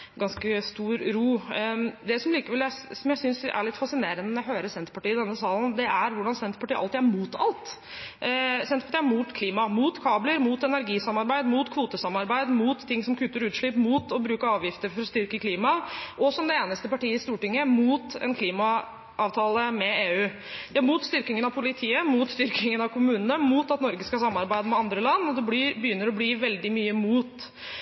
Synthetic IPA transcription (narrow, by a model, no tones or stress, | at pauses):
ɡɑnskəst̪uːɾɾuːd̪ɛsɔmliːkəʋɛlæsɔmjæɪsʏnsʔæ̰ɭɪt̪ːfɑsɪneːɾənəmɔɦøːɾəsɛnt̪ə̥pɑʈiːɪd̪ɛnːəsɑːlnd̪ɛʔæɾʋʊɖɑnsɛnt̪əpɑʈiːʔɑ̰lt̪ɪːæɾmuːt̪ɑ̰lt̪ | sɛnt̪əpʰɑʈiːæɾmuːt̪kʰliːmɑmuːt̪kʰɑːbləɾmuːt̪ɛnæɾɡiːsɑmɑɾbæɪd̪muːt̪kʰʋuːt̪əsɑmɑɾbæɪd̪muːt̪ʰːɪŋːsɔmkʰʉt̪ːəɾʉːt̪ʂɭɪpmuːt̪ɔbɾʉːkəɑːʋjɪft̪əɾfɔɾɔst̪ʏɾkəkʰliːmɑʔɔsɔmd̪ɛeːnəst̪əpɑʈiːəɪst̪uːʈɪŋːəmuːt̪ɛ̰nkʰliːmɑ | ʔɑːʋt̪ʰɑːləmɛeːʉː | d̪̥ɛæɾmuːt̪st̪ʏɾkɪŋənɑʋpʰʊlɪt̪ʰiːəmuːt̪st̪ʏɾkɪŋənɑʋkʰʊmʉːnənəmuːt̪ɑt̪nɔɾɡəskɑsɑmːɑɾbæɪd̪əmɛɑnd̪ɾəlɑnːɔd̪ɛibəjʏnːəɾɔbliːʋɛld̪ɪmyːəmuːt̪